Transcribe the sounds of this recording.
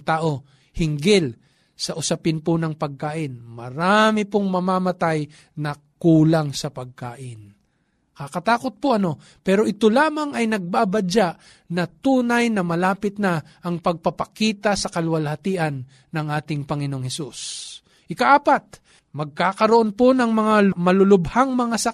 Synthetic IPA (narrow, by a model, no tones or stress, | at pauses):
t̪aːʔo̞ | hɪŋɡɪl | sɐʔʊsɐpɪnponɐŋpɐɡ̚kaːʔɪnmɐɾaːmɪpoŋmɐmamɐt̪aj | nɐ | kuːlaŋsɐpɐɡ̚kaːʔɪn | kakɐt̪aːkot̪̚poʔɐno̞ | pɛːɾoʔɪt̪olaːmɐŋɐjnɐɡ̚babad͡ʒaʔ | nɐt̪uːnɐjnɐmɐlaːpɪt̪̚nɐ | ʔɐŋpɐɡ̚pɐpɐkiːt̪ɐsɐkɐlʊwɐlhɐt̪iːʔɐnː | ɐŋʔaːt̪ɪŋpɐŋɪnooŋhɛsus | ʔɪkɐʔaːpat̪̚ | mɐɡ̚kaːkɐɾoʔonponɐŋmɐŋamɐlolʊbhaŋmɐŋasɐ